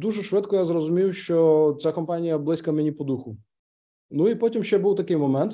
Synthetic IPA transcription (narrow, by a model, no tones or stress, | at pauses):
d̪uʒɛʃʋɪt̪kɔjazɾɔzʊmʲiwʃt͡ʃɔt͡sʲakɔmpɑnʲijɐblˠɪsʲkɐmenʲipɔd̪uxʊ | nuipɔtʲimʃt͡ʃɛbuwt̪ɐkɪjmɔmɛnt̪